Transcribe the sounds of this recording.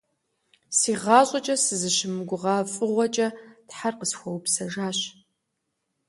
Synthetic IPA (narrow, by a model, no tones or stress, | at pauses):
siːʁɑːɕʷʼɐt͡ʃʼɐsɨzɨʃɪmɨɡʷʊʁɑːfʼɨʁʷɔt͡ʃʼɐtħarqəsxʷɔwpsɐʒaːɕ